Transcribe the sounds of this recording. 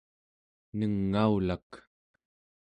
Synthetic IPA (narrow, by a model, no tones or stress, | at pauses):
nəŋːaulak